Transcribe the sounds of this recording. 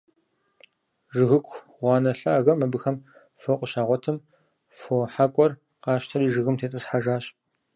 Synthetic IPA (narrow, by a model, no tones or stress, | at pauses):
ʒɨɣɨkʷʰ | ʁʷɑːnɐɬɐːɣɐmːɐbɨxɐm | fɐqʷʊɕaːʁʷɔtʰɨm | foħakʷʼɔr | qɑːʃtʰɐɾiːʒɨɣɨmtʰeːtʼɐsħaʒaːɕ